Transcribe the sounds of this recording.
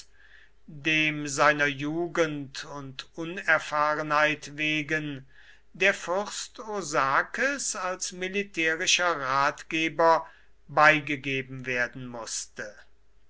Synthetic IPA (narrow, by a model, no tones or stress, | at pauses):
deːmzaɪnɐjuːɡəntʰʊntʊnɛɐfaːʁənhaɪtveːɡən | deːɐfʏʁstozaːkəsalsmɪlitʰɛːʁɪʃɐʁaːtɡ̥eːbɐ | baɪɡəɡeːbm̩veːɐdn̩mʊstə